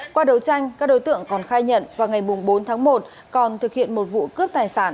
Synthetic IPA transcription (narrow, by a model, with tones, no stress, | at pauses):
kwaː˧ɗə˨˦wt͡ɕa˧jŋ̟kaː˦˥k̚ɗo˨˦jt̪ɨ̰˧˨əŋkɔ˨˩nxaː˧jɲə̰˧˨nvaː˨˩wŋa˨˩jmʊ˨˩ŋ͡mɓo˨˦nt̪ʰaː˨˦ŋmo˨˩t̚ | kɔ˨˩nt̪ʰɨ˨˩k̚hḭ˧˨ənmo˨˩t̚vṵ˧˨kɨ˦˥əp̚t̪aː˨˩jsa̰ː˧˩n